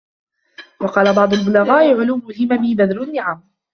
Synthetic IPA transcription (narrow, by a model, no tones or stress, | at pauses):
wɑqɑːlabɑʕd̪ˤʊlbʊlaɣaːʔɪʕʊluːmʊlhɪmabɪbad̪ɾʊnːɪʕam